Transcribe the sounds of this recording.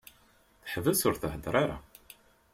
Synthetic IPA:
θə̥ħvəsʊɾθəhəd̪ɾˤaɾa̰

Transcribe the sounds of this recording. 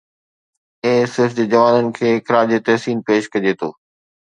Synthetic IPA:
eːsɪfd͡ʑeːd͡ʑɐʋaːnənɪ̆kʰeːɪkɪɾaːɾd͡ʑeːt̪ɐɦsiːnpeːʃkɐd͡ʑeːt̪ʰoː

